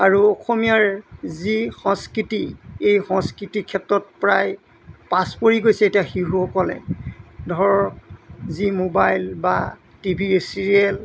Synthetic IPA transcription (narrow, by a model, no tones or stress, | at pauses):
aɹuɔxomijaɹzixɔ̃ŋskɹitiejxɔ̃ŋskɹitikʰːɛtɹɔt̚pɹaj | paspoɹiɡojsɛːtijaxiɦuɔkɔlɛ̰dʱɔɹɔɔɹkzimobajlba̰ | tibʱisiɹiɛl